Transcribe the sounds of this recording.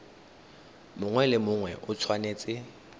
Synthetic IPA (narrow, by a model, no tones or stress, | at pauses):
mʊŋwɛlɪmʊŋwɛʔʊt͡sʰwaneːt͡sʼɪ